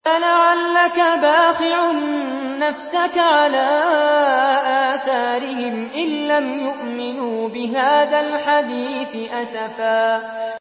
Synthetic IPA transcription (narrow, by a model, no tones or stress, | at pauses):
alaʕalːakabaːqɪʕː | afsakaʕalaː | ʔaːθaːɾɪhɪmʔɪlːamjʊʔmɪnuːbɪɦaːðalħad̪iːθɪʔasafaː